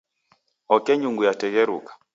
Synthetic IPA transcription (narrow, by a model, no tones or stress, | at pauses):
ɔkɛɲuŋɡujatɛɣɛɾukḁ